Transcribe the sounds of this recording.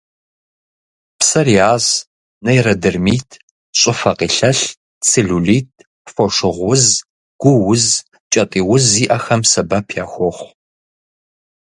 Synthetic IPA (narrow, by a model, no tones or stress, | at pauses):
psɐriaːz | nɐjrɐdɨrmiːtʰ | ɕʼɪfɐqḭːɬɐɬ | t͡sʰeɮuliːtʰ | fʷɔʂɨʁʷʊz | ɡ̥ʷʊwʊz | t͡ʃʼɐtʼiːwʊziːʔɐxɐmsɐbɐpʰjaːxʷɔχʷ